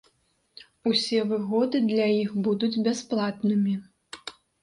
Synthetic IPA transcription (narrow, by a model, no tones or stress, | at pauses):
usʲɛvɨɣɔd̪ɨd̪lʲajixbud̪ud͡zʲbʲɛsplˠat̪nɨmʲi